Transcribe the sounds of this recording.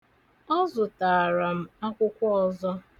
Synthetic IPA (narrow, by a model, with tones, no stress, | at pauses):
ɔ˦zʊ˨taː˨a˨ɾa˨m̩˦a˦kʷʊ˦kʷɔ˦ɔ˨zɔ˦